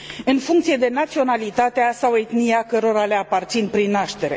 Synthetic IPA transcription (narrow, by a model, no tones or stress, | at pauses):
ɨnfuŋkt̪sije̞d̪e̞nat̪sio̞nalit̪at̪easawet̪niakəɾo̞ɾale̞apart̪sinpɾinːaʃt̪e̞ɾe̞